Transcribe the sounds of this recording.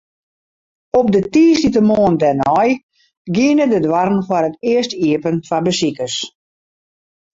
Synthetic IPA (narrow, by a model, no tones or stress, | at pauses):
ɔp̚dətiːstitəmoəndɛnɔj | ɡiənədədwarənfɔrətɪəstiəpənfabəsikəs